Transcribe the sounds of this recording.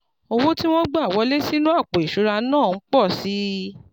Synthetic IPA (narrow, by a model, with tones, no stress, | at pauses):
o˧wõ˦ti˦w̃ɔ̃˦ɡ͡ba˦˨wɔ˨˧˦le˦si˦nũ˦a˦˨k͡po˨i˨ʃu˨˦ɾa˧˦nãː˦˨n̩˦k͡pɔ˦˨si˨˦